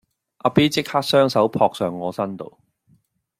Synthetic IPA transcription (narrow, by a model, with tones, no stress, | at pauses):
ʔaː˨˧piː˦˥t͡sɪ˥k̚haː˥k̚sœː˥ŋsɐ˨˥wpʰɔː˧k̚sœː˨ŋːɔː˨˧sɐ˥nt̪o̰˨w